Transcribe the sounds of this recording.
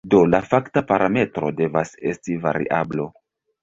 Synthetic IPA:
do̞lafaktapaɾame̞tɾo̞̰de̞vase̞stiva̰ɾḭʔa̰blo̞

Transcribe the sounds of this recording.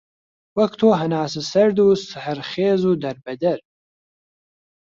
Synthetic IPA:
wɐkt̪ʰoːɦɐnaːsɨsɐɾd̪uːsɨhɨɾχeːzuːd̪ɐɾbɐd̪ɐɾ

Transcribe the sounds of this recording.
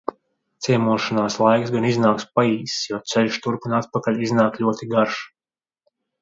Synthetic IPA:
t̪siɛmuɔʃanaːslˠajksɡaniznaːkspaiːsjɔt̪sɛlʲʃt̪uɾkunat̪̚pakalʲiznaːklʲuɔt̪iɡaɾʃ

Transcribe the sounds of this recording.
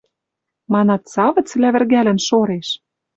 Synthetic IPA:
mɑnɑt̪sɑβɤ̆t͡slæβɘ̆rɣælɘ̆nʃoɾeʃ

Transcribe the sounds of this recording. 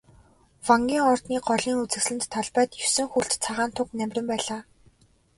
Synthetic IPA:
waŋɡʲiːŋɔrt̪niːɢɔɮiːŋut͡sɘ̆xsɮɘ̆nt̪ʰːɔɮpæːt̪jɵwsɘ̆ŋxuɮɬt̪t͡sʰaʁaːnt̪ʰʊknæmʲrʲɘ̆mpæːɮaː

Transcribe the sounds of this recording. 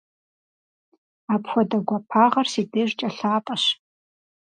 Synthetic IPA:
aːpħʷɔdɐɡʷapʰaːʁɐrsiːdeːʒt͡ʃʼɐɬaːpʼɐɕ

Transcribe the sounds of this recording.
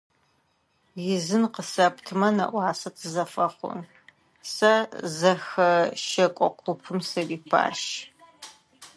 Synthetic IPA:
jɪzɨnqəsɐptʰɨmɐnɐ̰ʔʷɑːsɐtʰɨzɐfɐχʷʊ̰n | sɐzɐxɐʃɐkʷʼɔqʷʰʊpʰɨmsɐripʰa̰ːʃ

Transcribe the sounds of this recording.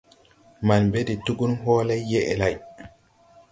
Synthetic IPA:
manbedituɡunɦɔːlajːɛʔɛ̰laj

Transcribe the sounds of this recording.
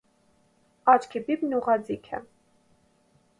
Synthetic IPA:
ɑt͡ʃkʰibibnuʁɑd͡zikʰɛ̰

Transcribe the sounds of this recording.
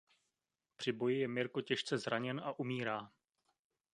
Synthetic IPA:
pr̝̥ɪbo̞jɪjɛmɪɾkocɛʃt͡sɛzɾaɲɛnaʔumiːɾaː

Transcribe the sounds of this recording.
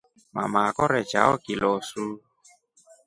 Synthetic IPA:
ma̰makɔɾɛt͡ʃa̰ɔkilɔsu

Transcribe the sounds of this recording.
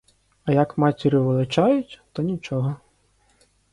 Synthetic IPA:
ɐjɐkmɑtʲiɾɪʋelˠɪt͡ʃajʊtʲt̪ɔnʲit͡ʃɔɦɔ

